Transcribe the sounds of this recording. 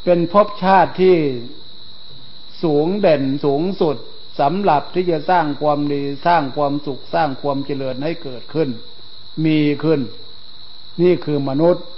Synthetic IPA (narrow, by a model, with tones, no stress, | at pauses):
pe˧npʰo˦˥˩p̚t͡ɕʰaː˥˩t̪ʰːiː˥˩ | suː˩˦ŋde˨˩nsuː˩˦ŋsu˨˩t̪̚ | sa˨˦mla˨˩p̚t̪ʰiː˥˩t͡ɕa˨˧˩saː˥˩ŋkʰwaː˧mdiː˧saː˥˩ŋkʰwaː˧msu˨˩k̚saː˥˩ŋkʰwu˧mt͡ɕi˧lɯ˨˩t̪̚ha˥˩jkɤː˨˩t̪̚kʰɯ˧˩n | miː˧kʰɯ˧˥˩n | niː˥˩kʰɯː˧ma˧nu˦˥t̪̚